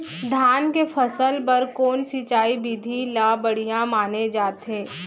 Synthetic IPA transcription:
d̪ʱjaːnkefʰɐsəlpɐɾkoːnsit͡ʃaːibiːd̪ʱilaːbəɽ̤ijãmaːned͡ʒaːt̪ɦẽː

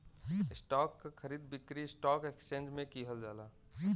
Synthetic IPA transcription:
ɪsʈɔːkːakʰəɾiːd̪bɪkɾiɪsʈɔːkekst͡ʃẽːnd͡ʒmẽkiɦəld͡ʒaːlaː

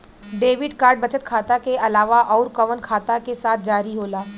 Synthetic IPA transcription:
ɖeːʋɪɖkaːɾɖ̚bɐt͡ʃət̪kʰaːt̪akeɐlaːʋaʔɔːɾkɐʋənkʰaːt̪akesaːt̪̚ʰd͡ʒaːɾiɦoːlaː

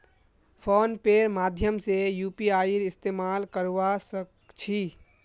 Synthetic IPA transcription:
pʰonpeɾmad̪ʱjəmsejupiaiɾist̪emalkəɾʋasək̚ | t͡ʃʰi

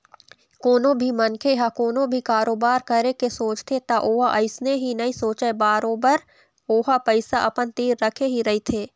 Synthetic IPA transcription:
koːnõbʱimɐnkʰeɦakoːnõbʱikaːɾoːbaːɾkɐɾekesoːt͡ʃt̪ʰet̪aʔoːɦaʔɐɪsneɦinɐĩsoːt͡ʃɛbaːɾoːbəɾ | oːɦapəɪsaʔɐpənt̪iːɾːɐkʰeɦiɾɐɦit̪ʰeː

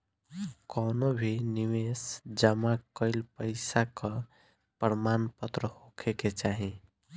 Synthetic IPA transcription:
kɔnobʱiniwesd͡ʒəmakəɪlpəɪsakə̃ | pəɾmanpət̪ɾəhokʰeket͡ʃaɦĩ

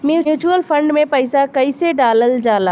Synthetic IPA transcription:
mjuːuːt͡ʃuəlfʰə̃ɳɖmẽpəɪsakɐiseɖaːləld͡ʒaːlaː

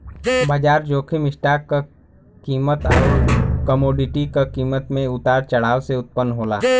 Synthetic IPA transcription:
baːd͡ʒaːɾd͡ʒoːkʰimɪʃʈaːkka | kiːmət̪aːoːkəmoːɖɪʈikakiːmət̪mẽʊt̪aːɾt͡ʃɐɽ̤aːwseʊt̪̚pənɦoːla̰ː

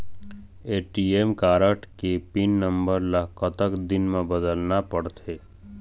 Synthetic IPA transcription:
eːʈieːmkaːɾəʈʰkepinːə̃mbəɾləɦkət̪əkd̪ɪnmẽbəd̪əlnapəɽt̪ʰeː

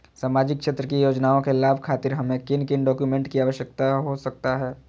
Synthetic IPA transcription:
saːmaːd͡ʒɪkkʃeːt̪ɾəkijoːd͡ʒnaːõkelaːbʱkʰaːt̪ɪɾɦɐmẽkɪnkɪnɖɔːkjumẽɳʈkiaːʋəʃjək̚t̪aɦosɐk̚t̪aɦɛː

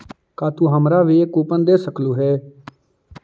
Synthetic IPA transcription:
kaːt̪uːɦəmɾaːʋiːekuːpənd̪eːsəkluːɦɛː

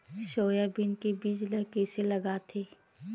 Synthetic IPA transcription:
ʃoːjabinkebiːd͡ʒləɦkeːselɐɡaːt̪ʰeː

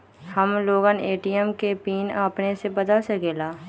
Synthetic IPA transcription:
həmloːɡəneːʈijəmkepiːnəpnesebəd̪əlseɡeːlaː

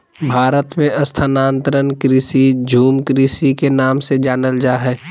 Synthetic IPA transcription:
bʱaːɾət̪mẽʔɐst̪ʰanaːnt̪əɾənkɾiːsid͡ʒʱuːmkɾisikenaːmsed͡ʒaːnəld͡ʒaːɦɛː

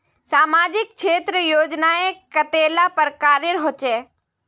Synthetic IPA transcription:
saːmaːd͡ʑɪk̚ʃʰeːt̪ɾəjoːd͡ʒnaẽkɐt̪eːlapɐɾkaːɾjəɾɦot͡ʃeː

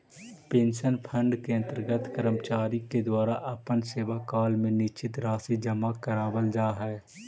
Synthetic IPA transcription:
pẽːnʃənpʰə̃ɳɖkeə̃nt̪əɾɡət̪ʰkəɾəmt͡ʃaːɾiked̪waːɾaʔɐpənseːʋakaːlmẽnɪt͡ʃɪt̪ɾaːsid͡ʒɐmakəɾaːbəld͡ʒaːɦɛː

